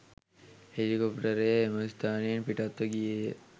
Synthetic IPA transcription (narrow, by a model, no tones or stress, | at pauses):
helikopʈɐɾemɐst̪aːnijenpiʈat̪ːoɡije